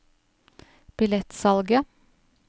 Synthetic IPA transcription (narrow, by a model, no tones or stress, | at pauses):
b̥ɪlɛt̪sɑlɡə